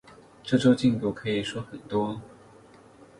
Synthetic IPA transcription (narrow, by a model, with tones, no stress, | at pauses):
ʈ͡ʂɤ˥˩ʈ͡ʂo˥ʊt͡ɕi˥˩ŋt̪u˧˥kʰɤ˧˥i˨˩ʂwɔ˥xə˨˩nt̪wɔ˥